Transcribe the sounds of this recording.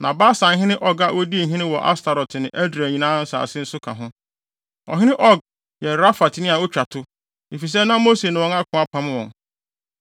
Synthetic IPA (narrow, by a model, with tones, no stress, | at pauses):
nã˨baː˦sã˨˦ɦɪ̃˦nɪ̃˦ʔɔ˦ɡa˨wo˦di˦e˨ɦĩ˦nɪ̃˦wɔ˨ʔa̰˦stʰa˨ɾɔ˨tɪ˨nɪ̃˨ʔæ˦dɾi˨æ˨ɲĩ˨nãː˦n̩˦sa̰ː˨sɪ˦n̩˦sʊ˦kʰã̰˨ɦʊ̃˦ | ɔ̰˨ɦɪ̃˦nɪ̃˦ʔɔ˦˨ɡ̚ | jɛ˨ɾa˦fa˨tʰɪ˨nɪ̃˦a˨o˦t͡ɕᶣa˨tʰʊ˦ | e˨fi˨s̬ɛ˦nã˦mo˦se˨nɪ̃˨wɔ̃˦ŋa˦kʰʊ̃˨a˨pʰã˨m˦wɔ̃˨ŋ